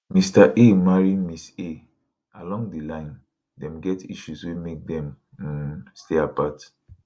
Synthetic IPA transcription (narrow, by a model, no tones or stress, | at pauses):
mistaʔemaɹimise | alɔ̃ŋdilãɪ̃n | dɛ̃mɡɛtiʃuswemek̚dɛ̃m | steapat